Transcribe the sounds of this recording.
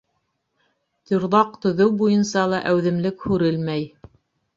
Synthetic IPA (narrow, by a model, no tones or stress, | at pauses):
t̪ɵ̆ɾðɑq̚t̪ɵ̆ðɵwbujɤnsɑlˠɑʔæwðɘ̆mlɘkhʉɾɘlmæj